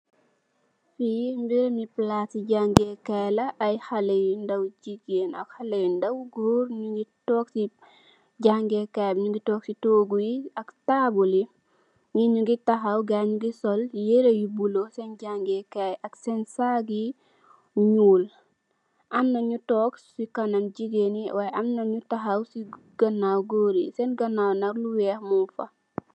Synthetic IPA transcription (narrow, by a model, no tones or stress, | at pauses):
fimbiɾmiplasiɟaŋɡɛkɛlɐʔːjhalejindɐwd͡ʒiɡenɐ̰khalejindɐwɡɾuːɾɲuɡitɔːksi | ɟaŋɡɛkɛbɲuɡitɔk̚sitoːɡujiɐktabuli | ŋiɲuɡitaxɐwɡaɲuɡisɔljeɾejibulosɛnɟaŋɡɛkaaksɛnsaɡi | ɲuːl | ʔamnɐɲutɔːksikanamɟiɡeniwajamnaɲutaxawsi | ɡ̥ɐnːawɡoːɾisɛnɡɐnːawnaɾluwɛhmufa̰